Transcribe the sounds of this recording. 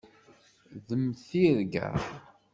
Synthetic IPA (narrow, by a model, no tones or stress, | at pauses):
ðəmθiɾɡæ̰